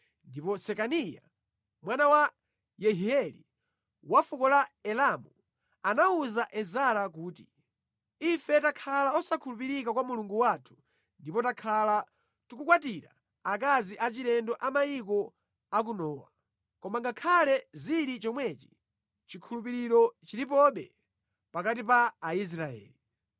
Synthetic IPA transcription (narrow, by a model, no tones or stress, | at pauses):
ndipɔsɛkanija̰ | mwanawa | jɛɦiɛlḭ | wafukɔlaɛlamu | anauzaʔɛzaɾak̬uːti̥̰ | ifɛtakʰalaɔsakʰulupiɾikakwamuluŋɡuwaːtʰu̥ | ndipɔtakʰala | tuk̬ukwatiɾa̰ | ak̬aziʔat͡ʃiɾɛndɔʔamaikɔ | ak̬unɔːwa̰ | kɔmaŋɡakʰalɛziɾit͡ʃɔmwɛt͡ʃi̥ | t͡ʃikʰulupiɾiɾɔt͡ʃiɾip̬ɔɓɛ̰ | pakat̬ipaːis̬ɾaɛ̰ːli